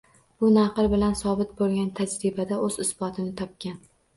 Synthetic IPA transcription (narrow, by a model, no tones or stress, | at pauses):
b̥ʊnaqɨɾbɪlansɒbɪt̪̚bolˠɡʲant̪ʰad͡ʒɾibad̪aʔɵzɪsbɒt̪ʰɪnɪt̪ʰɒp̚kʲan